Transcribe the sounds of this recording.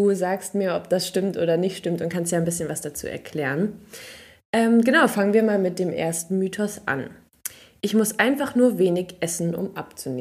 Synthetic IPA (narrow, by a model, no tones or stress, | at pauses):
duːzaːkstmiːɐɔp̚d̥asʃtɪmtʔoːdɐnɪçtʃtɪmtʊntkʰanstjaːɪnbɪsçənvasd̥at͡sṵːʔɛ̰ɐkʰl̥ɛːʁən | ʔɛːmɡənaʊfaŋənviːɐmaːlmɪt̚d̥eːmʔḛːɐstn̩myːtʰɔsʔa̰n | ʔɪçmʊsʔaɪnfaχnuːɐveːnɪçʔɛsn̩ʔʊ̰mʔapt͡suneː